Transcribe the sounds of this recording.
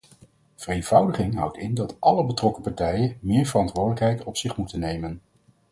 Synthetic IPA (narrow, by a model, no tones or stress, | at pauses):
v̥ərejnv̥ʌwdəχɪŋɦʌ̰wtɪndɑtʔɑləbətrɔkəpɑɹtɛjənmɪːɹvərɑntʋʊːɹdələkɦɛjtɔpsɪχmutənejmən